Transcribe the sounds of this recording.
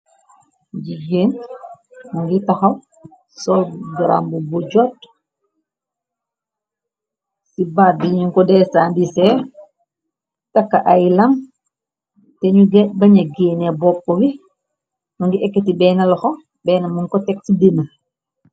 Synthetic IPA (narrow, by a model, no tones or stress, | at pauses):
d͡ʒiɡeːn | muŋɡitaxaw | sɔlɡɾa̰mbubuɟɔt̚ | sibadiɲuŋkɔdɛsandisɛ | takːaʔajlam | tɛɲuɡɛbɐɲaɡeːnɛbɔpːɔwi | nuŋɡiʔɛkːɛtibɛːnalɔxɔ | bɛːnamuŋkɔtɛksidinə